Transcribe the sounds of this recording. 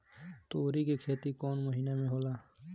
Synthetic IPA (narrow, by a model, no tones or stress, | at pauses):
t̪oːɾikikʰeːt̪ikɔːnməɦinemẽɦoːlaː